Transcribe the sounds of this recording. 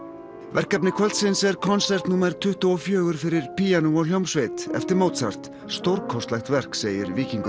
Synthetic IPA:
vɛr̥kap̬nɪkʰɔlt̪sɪnsɛɾkʰɔnsɛrt̪numɛɾ̥t̪ʰʏht̪ʏɔfjœːɣʏɾfɪɾɪɾ̥pijanuɔljowmsvejt̪ɛ̰ft̪ɪɾmoːt̪sar̥t̪ | st̪oɾkʰɔst̪lɛxt̪vɛr̥kseːjɪɾviːkiŋk

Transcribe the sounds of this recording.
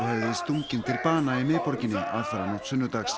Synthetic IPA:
hɛvðɪst̪uŋcɪnt̪ʰɪlpaːnaɪmɪːpɔɾcɪnːɪʔa̰ðfɛɾanɔht̪sʏnːʏt̪axs

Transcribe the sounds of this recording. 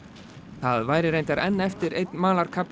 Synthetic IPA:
θaðvaːjɾɪɾejnt̪aɾɛnːɛft̪ɪɾejt̪nmaːlaɾ̥kʰap

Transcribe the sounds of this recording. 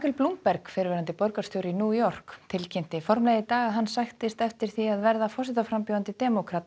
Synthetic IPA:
akʏlplumppɛɾkfɪɾvɛːɾant̪ɪpɔɾkḁst̪jowɾinjuːjɔr̥kt̪ʰɪlcʰejm̥t̪ɪfɔɾmlejðɪt̪aːɣaðɦanːsajxt̪ɪst̪ɛft̪ɪɾ̥θiaðvɛɾðafɔsɪt̪afɾampjowant̪ɪt̪ɛmɔkʰɾat̪

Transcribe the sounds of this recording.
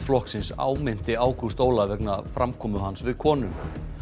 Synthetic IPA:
flɔhksɪnsa̰ːwmɪn̥t̪ɪaːwkʰʏst̪oːwlavɛknafɾamkʰɔːmʏɦansvɪðkʰɔːnʏm

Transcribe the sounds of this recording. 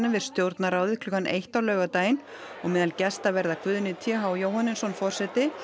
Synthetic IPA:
nːɪvɪð̥st̪jowɾt̪naɾaːwðɪðklʏːkːanʔḛjht̪awlœːɣat̪aːjɪn | ɔɣmɛːðalcɛst̪avɛɾðakvʏːðʏnɪt̪ʰjɛɦawjowhanːɪnsɔnfɔr̥sɛt̪ɪ

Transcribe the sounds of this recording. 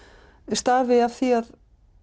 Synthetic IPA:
ɛst̪aɾvɪav̥θiað

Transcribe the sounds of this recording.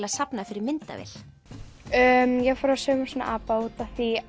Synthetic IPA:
laðsapnafɪɾɪɾmɪnt̪a̰vɪ̰l̥ | œmjɛɣfɔːɾaðsœːmasɔna̰ʔaːpaut̪aθi

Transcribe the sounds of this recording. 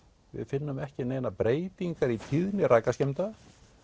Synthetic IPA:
vɪ̰ðfɪnːʏmɛhcɪneːjnapɾeːjt̪iŋkaɾit̪ʰiðnɪɾʔajkascɛm̥t̪a

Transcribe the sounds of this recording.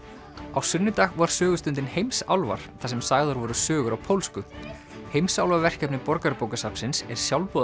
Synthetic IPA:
awsʏnːʏt̪aːɣvaɾ̥sœːɣʏst̪ʏnt̪̬ɪnhejmsawlva̰ɾ̥θasɛmsaːjɣðɔɾvɔɾʏsœːɣʏɾawpʰowlskʏ | hejmsawlvaɾvɛr̥cɛpnɪpɔɾkaɾpoːwkasapsɪnsɛɾ̥sjawlpɔː

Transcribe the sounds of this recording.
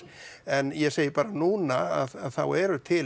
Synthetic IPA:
ɛnjɛseːjɪpaːɾanuːnaaðaðθawɛɾʏt̪ʰɪ

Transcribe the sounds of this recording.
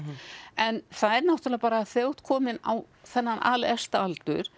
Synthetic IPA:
ɛnθaðɛɾnawht̪ʏlɛaapaːɾaθjowt̪kʰɔːmɪnaw | θɛnːanʔa̰ːlɛst̪aalt̪ʏɾ̥

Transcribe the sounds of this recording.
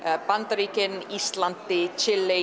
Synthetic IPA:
pant̪ɾikənist̪lant̪ːit͡ʃɪlːe

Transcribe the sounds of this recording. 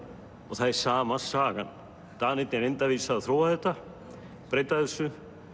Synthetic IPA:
ɔɣθaðsaːmasaːɣa̰n | t̪aːnɪt̪nɪɾejnt̪aviːsaðθɾowaθɛht̪a | pɾejt̪aðɛsʏ

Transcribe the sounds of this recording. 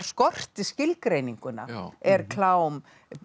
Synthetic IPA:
ɾ̥skɔr̥t̪ɪscɪlkɾejniŋkʏna̰ɛɾkʰlaːwm

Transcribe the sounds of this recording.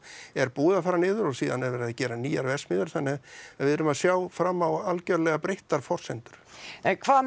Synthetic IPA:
ɛɾpuːðafaːɾanɪːðʏɾɔɣsiːðanɛɾvɛːɾɪacɛːɾaniːjaɾvɛsmɪːðʏɾ̥θanːɪɣaðvɪðʏɾʏmaðsjaːwfɾaːmːawalcœɾlɛɣapɾejht̪aɾ̥fɔr̥sɛnt̪ʏ̥ɾ̥ɛnkʰvaː

